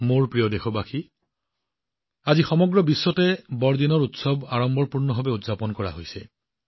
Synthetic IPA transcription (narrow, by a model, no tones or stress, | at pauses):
moɹpɹijɔdexɔbaxi | azixɔmɔɡɹɔbisːɔtɛbɔɹdinɔɹutsɔbaɹɔmbɔɹpuɹnɔɦɔbɛutzapɔnkɔɹa̰ɦojsɛ